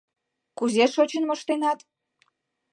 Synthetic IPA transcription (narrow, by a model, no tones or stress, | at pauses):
kuzeʃot͡ɕənmoʃt̪enɑt̪